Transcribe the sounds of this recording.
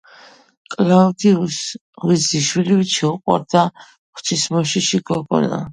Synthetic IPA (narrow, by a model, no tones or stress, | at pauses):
kʼlaud̪ius | ʁwiziʃwiliwit͡ʃʰɛuqʼwa̰ɾd̪̥a | χt͡ʃʰismɔʃiʃiɡɔɡɔ̰na̰